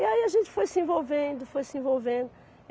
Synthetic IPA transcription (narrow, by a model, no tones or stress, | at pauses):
iɐiɐʒẽnt̪fojsẽvolˠvẽnd̪ufojsẽvolˠvẽnd̪u